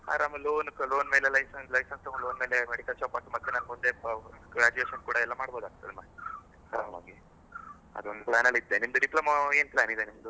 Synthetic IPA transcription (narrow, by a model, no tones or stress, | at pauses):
a̰ːɾamloːnklo̞ːnme̞ːlelɐjsɐnslɐjsɐnsɐloːnme̞ːlemeɽikɐlt͡ʃaːpaːʈːumɐt̪ːenaːnumund̪eɾaːd͡ʒueːʃɐnkuːɽɐɛlːamaːɽboːd̪aːɡ̚t̪ʰːɐd̪ema | saʋa̰ːɡi | ɐ̰d̪ond̪uplaːnɐlid̪ːenimd̪uɖiplɐmaeːnplaːnid̪enimd̪u